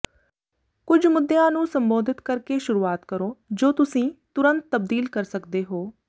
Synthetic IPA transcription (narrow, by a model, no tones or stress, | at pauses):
kʊd͡ʒʱmʊd̪ːejãːnũːsəmboːd̪ʱɪt̪kəɾkeːʃʊɾuːaːt̪kəɾoːd͡ʒoːt̪ʊsĩːt̪ʊɾə̃nt̪ːəbd̪iːlkəɾsəkd̪eːɦoː